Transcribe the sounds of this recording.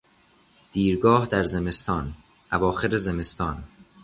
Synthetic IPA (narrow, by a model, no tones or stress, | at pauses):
d̪̥iːɾɡɒːhd̪æɾzeme̞st̪ɒːn | ʔævɒːxeɾezeme̞st̪ɒːn